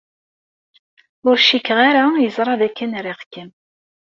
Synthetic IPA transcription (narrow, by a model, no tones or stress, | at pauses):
ʊɾʃikːʁaɾajəzˤɾˤɑðækːænɾiʁkəm